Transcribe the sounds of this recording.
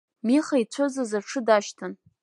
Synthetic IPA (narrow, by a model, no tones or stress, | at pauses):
miχajt͡ɕʷʰozazaʈ͡ʂʰɨdaʃtʰɨn